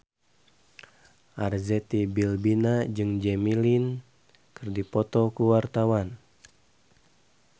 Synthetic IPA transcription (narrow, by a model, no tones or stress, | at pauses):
ʔarzɛt̪ibilbinad͡ʒɨŋd͡ʒɛmilin | kɨrdipɔt̪ɔkuwart̪awan